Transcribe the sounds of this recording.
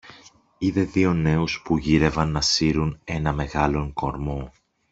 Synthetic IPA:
iðe̞ðio̞ne̞uspuʝiɾe̞vɐnːɐsiɾune̞nɐme̞ɣɐlo̞ŋko̞ɾmo̞

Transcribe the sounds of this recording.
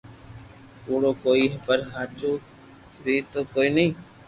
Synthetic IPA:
t̪uːɽoːkoːiːɦəpəɾɦaːt͡ʃuː | ɾiːt̪oːkoːiːnəĩː

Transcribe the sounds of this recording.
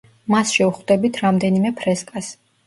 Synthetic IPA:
masʃɛuχwd̪ɛbit̪ʰɾamd̪ɛnimɛpʰɾɛskʼas

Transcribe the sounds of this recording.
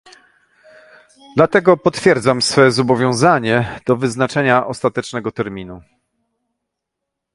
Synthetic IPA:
d̪lat̪ɛɡɔpɔt̪fʲjɛɾd̪zamsfɛzɔbɔvʲjɔ̃w̃zaɲɛd̪̥ɔvɘznat͡ʂɛɲaʔɔst̪at̪ɛt͡ʂnɛɡɔt̪ɛɾmʲinu

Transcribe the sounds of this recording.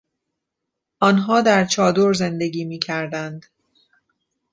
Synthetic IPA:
ʔɒːnɦɒːd̪æɾt͡ʃʰɒːd̪oɾze̞nd̪e̞ɡiːmiːcʰæɾd̪ænd̪

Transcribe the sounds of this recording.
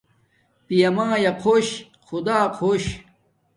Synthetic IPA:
pijɐmãːjɐqʰoːɕ | xʰud̪aːqʰoɕ

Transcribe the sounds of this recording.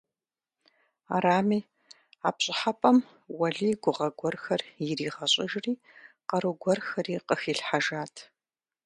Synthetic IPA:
aɾaːmiː | aːpɕʼɪħapʼɐm | wɐɮiːɡʷʊʁɐɡʷɔrxɐrjɪriːʁɐɕʼɪʒriː | qɐɾɨɡʷɔrxɐɾiːqəxiːɬħaʒaːtʰ

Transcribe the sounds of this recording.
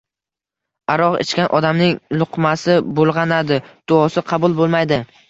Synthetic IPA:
aɾɒʁḛt͡ʃkʲanʔɒd̪amnɪŋlˠʊqmasɪbolˠʁɑnad̪ɪd̪̥ʊɒsɪqʰɑbʊlˠbolˠmajd̪ɪ

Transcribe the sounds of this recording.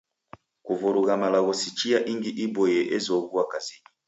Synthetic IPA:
kuvuɾuɣamalaɣɔsit͡ʃiaʔiŋɡiʔibɔjɛʔezɔβuakazini

